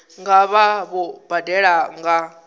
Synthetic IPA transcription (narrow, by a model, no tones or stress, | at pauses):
ŋɡaβaβub̥adɛɺaŋɡa